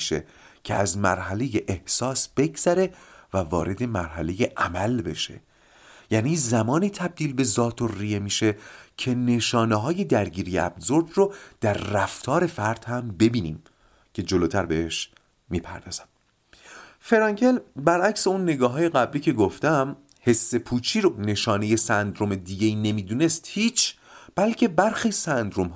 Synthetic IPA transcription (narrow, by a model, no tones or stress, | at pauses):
ʃḛ | cʰḛæzmæ̰ɾɦæle̞jeʔehsɒːsb̥e̞ɡz̥æɾe̞vævɒ̰ːɾe̞d̪e̞mæɾɦæle̞je̞ʔæmælbe̞̰ʃe̞̰ | jæːniːzæmɒːniːt̪ʰæb̚d̪iːlbe̞zɒːt̪ʰorijemiːʃe̞cʰe̞neʃɒːneɦɒːje̞d̪æɾɟiːɾijḛæ̰bzoɾd̪rod̪̥æɾːæft̪ʰɒːɾe̞fæɾd̪̥hæmbe̞biːnḭːm | cʰe̞d͡ʒoloːt̪ʰæɾbeeʃ | miːpʰæ̰ɾd̪ɒ̰ːz̥æm | fe̞ɾɒːŋcʰe̞lbæɾæcse̞unːe̞ɡɒːɦɒːje̞ɣæbliːcʰe̞ɡoft̪æm | he̞sːe̞pʰuːt͡ʃʰiːɾone̞ʃɒːne̞je̞sænd̪ɾome̞d̪iːɟe̞iːne̞miːd̪uːne̞st̪hiːt͡ʃʰ | b̥ælcʰe̞bæɾxiːsænd̪ɾomɦ